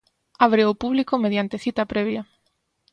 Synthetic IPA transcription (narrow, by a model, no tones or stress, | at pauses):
aβɾeopuβlikomeðjant̪eθit̪ɐpɾɛβjɐ